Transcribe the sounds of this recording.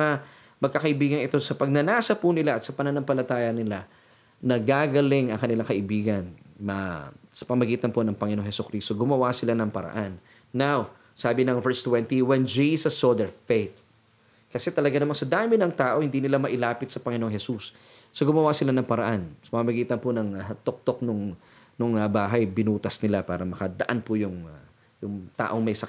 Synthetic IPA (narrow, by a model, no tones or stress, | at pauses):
ɐ | mɐɡ̚kɐkɐʔɪbiːɡɐnɪt̪o̞sɐpɐɡ̚nɐnaːsɐpunɪlaʔɐt̪sɐpɐnɐnɐmpɐlɐt̪aːjɐnɪla | nɐɡaɡɐlɪŋɐŋkɐnɪlaŋkɐʔɪbiːɡɐnmɐsɐ̥pɐmɐɡiːt̪ɐnponɐŋpɐŋɪnoŋhɛsʊkɾist̪oɡʊmɐwasɪlanɐŋpɐɾɐ̰ʔanː | aw | saːbɪnɐŋvɛɹst̪wɛnt̪iwɛnd͡ʒisɐsːod̪ɛɹfejt̪̚ | kɐsɛt̪ɐlɐɡanɐmansɐd̪aːmɪnɐŋt̪aːʔo̞hɪnd̪iːnɪlamɐʔɪlaːpɪt̪̚sɐpɐŋɪnoŋhɛsusː | oɡʊmɐwasɪlanɐŋpɐɾɐʔansɐpɐmmɐɡiːt̪ɐnponɐŋt̪ok̚t̪ok̚nʊŋ | nʊŋɐbaːɦɐjbɪnuːt̪ɐsnɪlapaːɾɐmɐkɐd̪ɐʔanpojʊŋ | jʊŋt̪a̰ːʔo̞ŋmɐjsɐ